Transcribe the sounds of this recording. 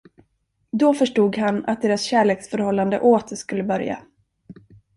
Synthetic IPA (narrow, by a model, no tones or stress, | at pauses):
d̪ɔfœʂʈuːɡhana̰t̪̚d̪eːɾasɕæːɭeːksfœɾhɔlːand̪ə̰ʔoːt̪ʰəʂkɵlːəbœɾja̰